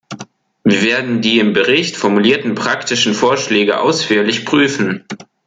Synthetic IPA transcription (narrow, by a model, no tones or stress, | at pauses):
viːɐveːɐdn̩diːɪmbəʁɪçtfɔɐmuliːɐtn̩pʁ̥aktɪʃn̩foːɐʃlɛːɡəʔa̰ʊsfyːɐlɪçpʁ̥yːfn̩